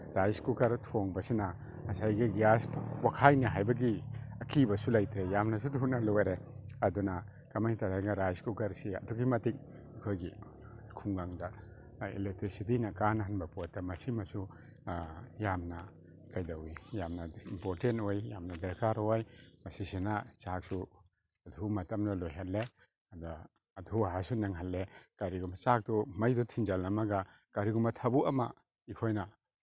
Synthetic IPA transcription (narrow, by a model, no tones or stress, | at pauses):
ɾajskukɐɾtʰoŋbɐsinɐ | sajɡiɡiaspʰwakʰajnaɦajbɐɡiɐkʰibɐsulajt̪ʰɾejamnɐs̬utunɐloɾeɐdunɐ | kamajtaɾajŋaɾajskukɐɾsiɐ̰duɡimɐtik̚ | ikʰojɡi | kʰuŋɡaŋda | ḭlek̚tɾisitinɐkanɦanbɐpot̚dɐmɐsimɐsu | jamna | kajdawijamnaimpoɾtentojjamnadaɾkʰaɾɔajmasisenat͡ʃak̚su | adʰʱumatamnalɔjɦalːe | adaː | dʰʱuaɦasunaŋɦalːekaɾiɡɔmat͡ʃak̚dɔmajdɔtʰind͡ʒalnamaɡa | kaɾiɡɔmatʰabuʔama̰ | ikʰojna